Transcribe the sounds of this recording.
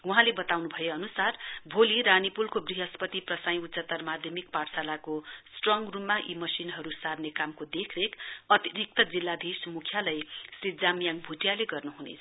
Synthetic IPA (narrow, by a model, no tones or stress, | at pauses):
uɦãlebʌt̪awnubʱʌjeʌnusarbʱoliɾanipulkobriɦʌspʌt̪iprʌsaj̃ut̪sʌt̪ʌrmad̪ʱjʌmik̚parsalakosʈrʌŋɡrumːaʔimʌsinɦʌɾusabnekamkod̪ekʰrekʌt̪iɾik̚t̪ʌd͡zilːad̪ʱismukʰjalʌjsid͡zamjaŋbʱuʈjaleɡʌrnuɦunḛt͡sʰ